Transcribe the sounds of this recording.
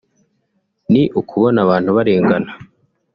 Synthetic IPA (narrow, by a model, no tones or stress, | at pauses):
niʔukʰuβo̞naβaːn̥huβaɾeːŋɡana